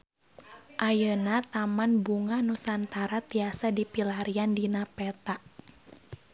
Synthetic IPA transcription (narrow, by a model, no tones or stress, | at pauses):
ʔajənat̪amanbuŋanusant̪aɾat̪iasadipilaɾiandinapɛt̪aʔ